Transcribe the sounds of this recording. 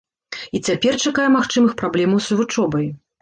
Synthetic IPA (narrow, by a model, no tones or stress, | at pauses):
it͡sʲapʲɛrt͡ʂakajɛmaxt͡ʂɨmɨxpɾablʲɛmɐwsuvut͡ʂɔbɐj